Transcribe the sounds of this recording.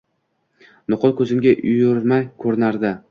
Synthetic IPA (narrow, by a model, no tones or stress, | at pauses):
nʊqʰʊlˠkʰɵzɪmɡʲaʔʊjʊɾmajkʲʰɵɾɪnaɾd̪ɪ